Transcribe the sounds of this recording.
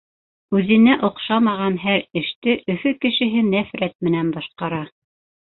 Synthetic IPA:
ʉðɘ̆næʔŏqʃɑmɑʁɑnɦæɾɘ̆ʃt̪ɘʔɵ̆fɵkɘ̆ʃɘ̆ɦɘnæfɾæt̪̚mɘ̆nænbɑʃqɑɾɑ

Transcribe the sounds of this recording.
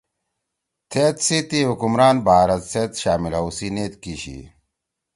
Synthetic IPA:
t̪ʰet̪sit̪iɦukumɾaːnbaːɾɐt̪set̪ɕaːmilɐusineːt̪kiɕḭ

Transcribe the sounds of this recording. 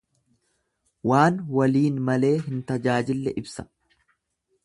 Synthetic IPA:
waːnwɐliːnmɐle̞ːɦɪnt̪ɐd͡ʒaːd͡ʒɪlːɛʔɪbsɐ̥

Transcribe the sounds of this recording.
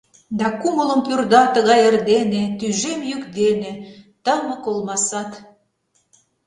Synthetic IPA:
d̪ɑkumələ̆mpyrd̪ɑt̪ə̆ɣɑjərd̪enet̪yʒemjykd̪enet̪əmə̆kolmɑsɑt̪

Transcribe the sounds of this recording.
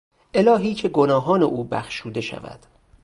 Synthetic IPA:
ʔe̞lɒːɦiːcʰe̞ɡo̞nɒːɦɒːneʔuːbæ̰xʃuːd̪e̞ʃæ̰væ̰d̪̥

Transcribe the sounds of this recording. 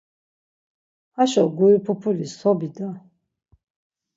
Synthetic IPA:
haʃɔɡuipʰupʰulisɔbid̪a

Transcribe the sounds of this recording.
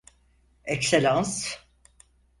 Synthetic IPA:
ɛkselʲãns

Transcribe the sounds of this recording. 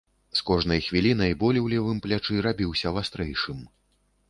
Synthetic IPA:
skɔʐnɐjxvʲilʲinɐjbɔlʲiwlʲɛvɨmplʲat͡ʂɨɾabʲiwsʲɐvast̪ɾɛjʂɨm

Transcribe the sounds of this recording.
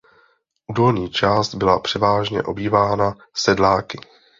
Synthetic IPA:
ʔudo̞lɲiːt͡ʃaːst̪bɪlapr̥ɛvaːʒɲɛ̰ʔo̞biːvaːna | sɛdlaːkɪ

